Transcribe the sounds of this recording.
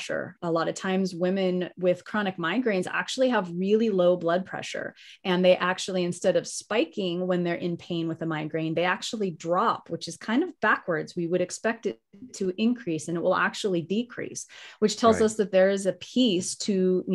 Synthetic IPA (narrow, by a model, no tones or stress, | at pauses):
ʃə̰˞əlɑɾʌv̥tʰãɪ̃mzwɪ̃mɨ̃nwɪð̥kʰɹ̥ɑñɨk̚mãɪ̃nɡɹẽɪ̃nzæ̰k̚t͡ʃul̩ˠiəvɹɪlˠiloʊblʌd̚pʰɹ̥ɛ̰ʃə̰˞ | ɨ̃nðeɪʔæk̚t͡ʃul̩ˠiɨ̃nstɛɾʌv̥spaɪkɪ̃ŋwə̃nðə˞ʔɨ̃npʰẽɪ̃nwɨðəmãɪ̃nɡɹẽɪ̃nðeɪæk̚t͡ʃul̩ˠidɹɑpwɨt͡ʃɨz̥kʰãɪ̃ndʌvbækwə˞dzwiwɨɾɨkspɛk̚tɨ | tʰɨʔɪ̃nkʰɹ̥isɨ̃nəʔ̚wəlˠæ̰k̚t͡ʃul̩ˠidikʰɹ̥ḭswɨt͡ʃtʰɛlˠzʌsðɨt̪̚ðə˞ɨzɨpʰistʰɨ